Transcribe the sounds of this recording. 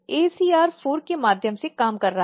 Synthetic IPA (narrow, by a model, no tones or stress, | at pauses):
eːsiːaːɾfʰoːɾkemaːd̪ʱjəmsekaːmkɐɾːɐɦ